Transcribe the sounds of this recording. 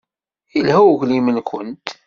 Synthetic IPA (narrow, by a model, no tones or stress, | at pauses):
jəlhæwʝlimənkʷənt̪